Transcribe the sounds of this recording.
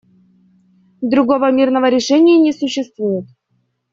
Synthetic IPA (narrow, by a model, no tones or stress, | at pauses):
d̪ɾuɡovəmʲirnəvəɾʲɪʂɛnʲɪjənʲesuɕːɪst̪vujɪt̪